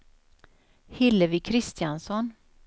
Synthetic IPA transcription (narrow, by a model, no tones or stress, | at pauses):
hɪlːəvɪkʰɾɪst̪ɪjansɔn